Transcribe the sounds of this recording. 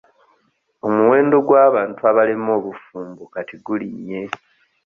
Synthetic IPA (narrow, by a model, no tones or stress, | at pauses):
o̞muwe̞ːndo̞ɡwaːβaːntuaβalemo̞ːβufuːmbukatiɡuliɲːe̞